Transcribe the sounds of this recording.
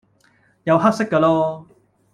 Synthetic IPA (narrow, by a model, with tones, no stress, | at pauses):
jɐ˨˧wɦɐ˥k̚sɪ˥kːɐː˧lɔː˥